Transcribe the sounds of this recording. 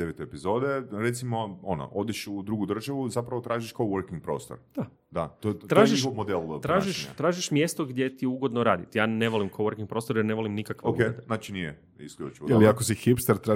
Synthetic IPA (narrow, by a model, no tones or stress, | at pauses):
d̪eʋet̪oepizo̞d̪eɾet̪simoono̰ʔod̪eʃud̪ɾuɡud̪r̩ʒaʋuzapɾaʋot̪ɾaːʒiʃkoʋəɾkiŋɡ̚pɾo̰st̪oɾd̪̥a | d̪at̪ot̪ɾaːʒiʃomod̪elˠt̪ɾaːʒiʃa̰t̪ɾaːʒiʃmje̞st̪oɡd̪je̞t̪iuɡod̪noɾa̰ːd̪it̪jaːneʋolimkoʋəɾkiŋɡ̚pɾo̞ːst̪oɾjeɾne̞ʋolimnikakʋeokenaːt͡ʃinije | ḭskʎʲṵt͡ʃiʋoeliakosixipst̪aɾt̪ɾa